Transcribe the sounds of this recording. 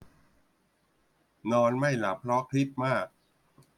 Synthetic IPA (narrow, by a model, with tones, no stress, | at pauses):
nɔː˧nma˥˩jla˨˩˦pʰɾɔ˦˥kʰɾi˦˥t̪̚maː˥˩k̚